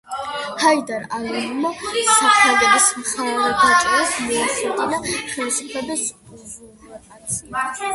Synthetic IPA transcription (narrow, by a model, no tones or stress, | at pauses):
hajd̪aɾalanumasaχʰaɡɛbismχaɾɾɡat͡ʃʼasmɔːχɛt̪ʼid̪aχɛvisupʰlɛbis